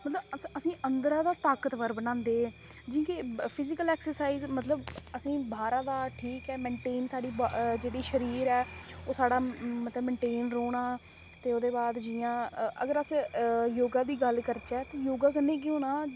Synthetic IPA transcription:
mət̪ləbəsĩːʔənd̪ɾaːd̪aːt̪aːkət̪ʋəɾbənãːnd̪eː | d͡ʒĩːkepʰɪzɪkəlɛːksəɾsaːiːzmət̪ləbəsĩːbʱaːɾaːd̪aːʈʰiːkɛːmɛ̃ːɳʈeːnsaːɽiːbd͡ʒeːɽiːʃəɾiːɾɛːoːsaːɽaːmət̪ləbmɛ̃ːɳʈeːnɾoːɽ̃aː | t̪eːod̪eːbaːd̪d͡ʒɪjãːə̰ɡəɾəsjoːɡãːd̪iːɡəlkəɾt͡ʃɛːt̪eːjoːɡaːkənːeːk̬iɦoːnãː

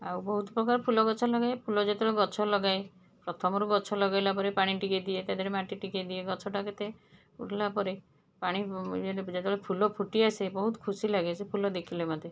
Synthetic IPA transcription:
awbɔɦut̪ɔpɾɔkaɾpʰulɔɡɔt͡ʃʰɔlɔɡaepʰulɔd͡ʒat̪eɔɭeɡɔt͡ʃʰɔlɔɡae | pɾɔt̪ʰɔmɔɾuɡɔt͡ʃʰɔlɔɡajlapɔɾepaɽ̃iʈiked̪iet̪ad̪ʱɔɾemaʈiʈiked̪ieɡɔt͡ʃʰɔʈaket̪e | ṵʈʰlapɔɾe | paɽ̃ied͡ʒet̪eɔɭepʰulɔpʰuʈiasebɔɦut̪ɔ̥kʰusilaɡesʰepʰulɔd̪ekʰilemɔd̪ʱe

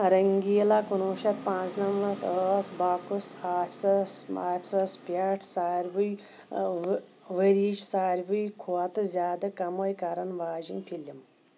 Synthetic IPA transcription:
ɾɐŋɡiːlakunuːʃɐt̪̚pãːt͡snɐmʋɐt̪əsbaːkusaːfʲsɐsaːpʲsɐspjaʈʰsaːɾʋuj | ʋɐɾiːt͡ʃsaːɾʲʋujkʰuɐt̪ɨzʲaːd̪ɐkɐmojkɐɾɐnʋaːd͡ʒinpʰilim

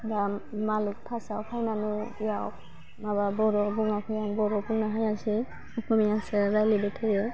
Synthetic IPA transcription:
damaluk̚tʰasawkʰajnanuijawk̚ | mababɔɾɔbuŋakʰɔjaŋbɔɾɔbuŋnaɦajasi | ɔkʰɔmiasɛɾajlibɛtʰajɯ

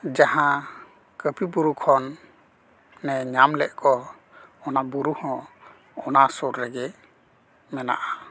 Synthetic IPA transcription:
d͡ʒahã | kəpibuɾukʰɔn | ɛɲamlɛʔkɔː | nabuɾuhɔ̃ | ɔnasuɾːɛɡɛ | mɛna̰ʔa

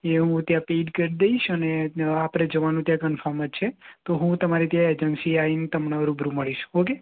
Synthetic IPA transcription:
eɦũt̪jãpeɖkəɾid̪eiʃəneapɽed͡ʒəʋanũt̪jãkənfʰəɾmət͡ʃʰet̪oɦũt̪əmaɾit̪jãed͡ʒənsiaint̪əmnaʋəɾubʱɾuməɭiʃoke

